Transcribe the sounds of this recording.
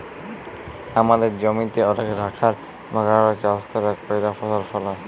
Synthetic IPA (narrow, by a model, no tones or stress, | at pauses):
amad̪eɾd͡ʑɔmit̪eɔnekɾʱakʰaɾ | maɡaɾat͡ɕaskɔɾakojɾafɔʃaɾfɔla